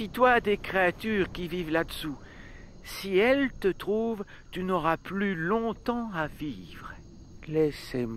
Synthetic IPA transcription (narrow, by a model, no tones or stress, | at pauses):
it̪wad̪ekχeat̪yʁkʲivivlad̪əsu | siɛlt̪ət̪χuv | t̪ynɔʁaplylɔ̃t̪ɑ̃aviːvʁ | lɛsem